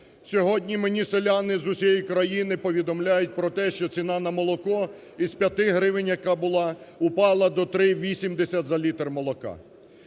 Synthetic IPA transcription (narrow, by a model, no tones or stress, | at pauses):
sʲɔɦɔdʲnʲimenʲiselʲanɪzʊsʲɛjikɾɐjinɪpɔʋʲid̪ɔmlʲajʊt̚ʲpɾɔt̪ɛʃt͡ʃɔt͡sʲinɑnɐmɔlˠɔkɔ | iz̥pʲjɐt̪ɪɦɾɪʋɪnʲjɐkɑbʊlˠɑʊpɑlˠɐd̪ɔt̪ɾɪʋʲisʲimd̪esʲɐt̪ʲzɐlʲit̪rmɔlˠɔkɑ̰